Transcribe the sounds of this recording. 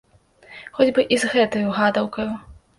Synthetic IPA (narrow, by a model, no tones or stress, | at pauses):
xɔd͡zʲbɨʔizɣɛt̪ɐjuɣad̪ɐwkɐju